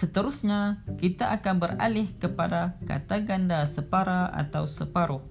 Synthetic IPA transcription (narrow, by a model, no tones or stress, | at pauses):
sət̪əɾusɲakit̪aʔakanbəra̰lɪhkəpadaka̰t̪aɡandasəpaɾaʔa̰t̪awsəpaɾʊh